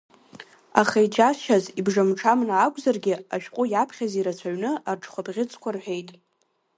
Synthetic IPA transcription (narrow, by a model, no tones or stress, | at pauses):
a̰χajd͡ʒaʃazibʐamʈ͡ʂʰamnaːkʷʼzarɡʲɪaʃᶣqʷʼʊjapʰχʲaziɾat͡sʷʰaɥnɨarʈ͡ʂʰʼχʷabʁʲɪt͡sʰʼkʷʰarħʷᶣe̞jtʼ